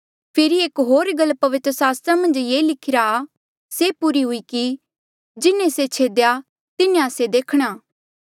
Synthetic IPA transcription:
pʰɪɾieːkɦoːɾɡəlpɐʋɪt̪ɾəsaːst̪ɾamɐ̃nd͡ʒjeːlɪkʰɪɾa | sepuɾiɦʊiki | d͡ʒɪnẽset͡ʃʰeːd̪eja | t̪ɪnẽased̪eːkʰɽ̃aː

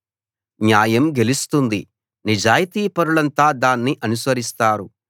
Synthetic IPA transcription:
njaːjɐmɡe̞list̪und̪i | nid͡ʒaːjit̪iːpɐɾuɭɐnt̪aːd̪aːnːiʔɐnusʋɐɾist̪aːɾu

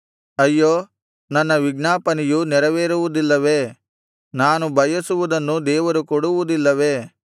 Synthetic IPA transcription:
ɐjːoː | nɐnːɐʋiɡnaːpɐnijunɛɾɐʋeːɾuʋud̪ilːɐʋe̞ː | naːnubʱɐjɐsuʋud̪ɐnːud̪ɛːʋɐɾukɔɽuʋud̪ilːɐʋe̞ː

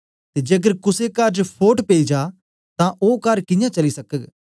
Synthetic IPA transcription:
t̪eːd͡ʒeːk̬əɾkʊsekɐɾd͡ʒpʰoːʈpeːid͡ʒaː | t̪ãʔoːkɐɾkɪ̃jãt͡ʃɐlisɐkəɡ

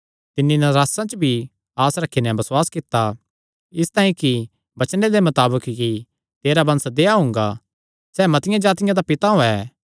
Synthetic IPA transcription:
t̪ɪnːinɐɾaːsãt͡ʃbʱi | aːsɾɐkʰːinɛbɐswaːskɪt̪ːa | ɪst̪ãːĩki | bɐt͡ʃned̪emɐt̪aːbəkki | t̪eːɾabɐ̃nsd̪eːaɦʊ̃ŋ̆ɡa | sɛːmɐt̪ɪjãd͡ʒaːt̪ɪjãd̪apɪt̪aɦoɛː

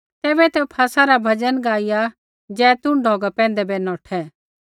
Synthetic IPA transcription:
t̪ɛːbɛt̪ɛpʰaːsaɾabʱɐd͡ʒənɡaːɪja | d͡ʒɛːt̪ʊ̃ɳɖʱɔːɡapɛ̃ːnd̪ɛbɛnɔːʈʰɛ

